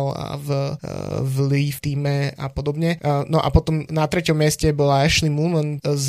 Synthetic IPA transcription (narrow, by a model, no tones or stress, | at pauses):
la̰v | vlift̪iːmɛa̰pɔd̪ɔbɲɛnɔʔa̰pɔt̪ɔmnat̪ɾɛcɔmːɪɛscɛbɔlaɛʃlimuːmənz